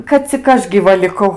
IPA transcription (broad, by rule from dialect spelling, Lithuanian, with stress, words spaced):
kɐt t͡sʲɪk ˈɐʃ ɡʲiːˈʋɐ lʲɪˈkɐʊ